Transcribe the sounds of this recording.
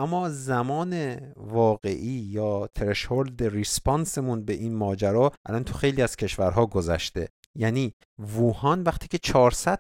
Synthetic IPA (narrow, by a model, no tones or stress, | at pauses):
ʔæmːɒːzæmɒːnevɒːɣe̞ʔiːjɒːt̪ʰɾeʃhold̪eɾispʰɒnsemunbe̞ʔiːnmɒːd͡ʒæɾɒːʔælɒnt̪ʰoxejliːæz̥cʰe̞ʃvæɾɦɒːɡo̞zæ̰ʃt̪e̞̰ | jæːniː | vuːhɒnvæχt̪ʰiːcʰe̞t͡ʃʰɒːɾsæd̪̚